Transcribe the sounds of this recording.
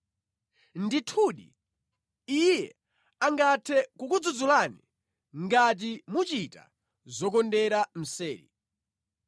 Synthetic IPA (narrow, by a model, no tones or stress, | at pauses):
nditʰuɗḭ | ijɛ | aŋɡatʰɛkukud͡zud͡zulani | ŋɡat̬imut͡ʃita̰ | zɔk̬ɔndɛɾam̩sɛːlḭ